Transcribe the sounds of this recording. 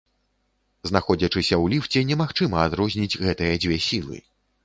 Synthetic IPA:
znaxɔd͡zʲɐt͡ʂɨsʲɐwlʲift͡sʲɛnʲɛmaxt͡ʂɨmɐad̪ɾɔzʲnʲid͡zʲɣɛt̪ɨjɐd͡zʲvʲɛsʲilˠɨ̰

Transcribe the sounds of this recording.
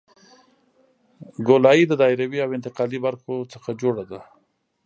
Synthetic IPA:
ɡolɑid̪əd̪ɑɪɾawiawɪnt̪ɪqɑlibaɾxot͡səxad͡ʒoɽad̪a

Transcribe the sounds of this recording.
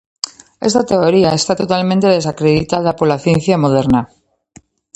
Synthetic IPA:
e̞st̪at̪e̞oɾiae̞st̪at̪o̞t̪almẽnt̪e̞ðe̞sakɾe̞ðit̪aðapoɾlaθjẽ̞n̟θjamo̞ð̞e̞ɾna

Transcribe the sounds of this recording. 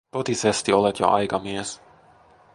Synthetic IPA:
t̪ot̪isest̪io̞let̪jo̰ʔɑ̰jkɑmies

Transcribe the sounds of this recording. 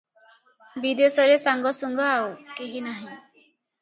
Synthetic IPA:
bid̪esɔɾesaŋɡɔsuŋɡɔawkeɦinaɦĩ

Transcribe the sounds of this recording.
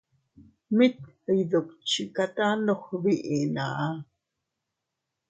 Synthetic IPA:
mit̪̚ | əjðok̚t͡ʃikat̪anoχβiʔina̰ʔa

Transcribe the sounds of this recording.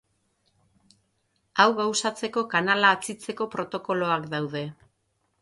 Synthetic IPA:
awɣawsat͡se̞ko̞kanalaːt͡sit͡se̞ko̞pɾo̞t̪o̞ko̞lo̞akd̪awð̞e̞

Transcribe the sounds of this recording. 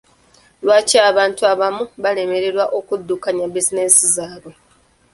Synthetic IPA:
lwaːcaːβaːntuaβamuβale̞me̞ɾe̞ɾwaʔo̞kudːukaɲabizine̞sizaːβo

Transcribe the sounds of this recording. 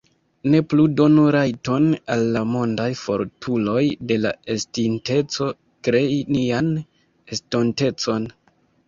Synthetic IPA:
ne̞pludo̞nuɾajto̞nalːamo̞ndajfo̞̰ɾtʰulo̞jde̞la̰estinte̞t͡so̞ | kɾe̞inian | estonte̞t͡so̞n

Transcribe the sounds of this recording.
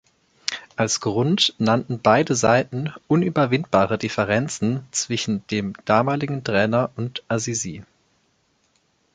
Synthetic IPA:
ʔalsɡ̥ʁʊntnantn̩baɪdəza̰ɪtn̩ʔʊnyːbɐvɪntb̥aːʁədɪfɛʁ̞ɛnt͡sn̩t͡sv̥ɪʃn̩d̥eːmd̥aːmaːlɪɡŋ̩tʁ̥ɛːnɐʔʊntʔaziziː

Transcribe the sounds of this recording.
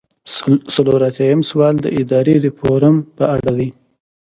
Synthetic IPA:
saloɾat̪jajəmswɑːld̪ə̰ʔɪd̪ɑɾeɾɪpoɾəmpəaɽad̪i

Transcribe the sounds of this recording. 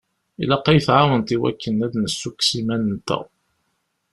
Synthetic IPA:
ilɑqːɑjθʕawənt̪iwæ̰kːənːæðnəsːukːsimænənt̪æ̰

